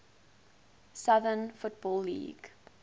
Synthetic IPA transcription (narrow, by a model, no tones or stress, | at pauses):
sʌðənfʊt̚bɔlːḭːɡ̥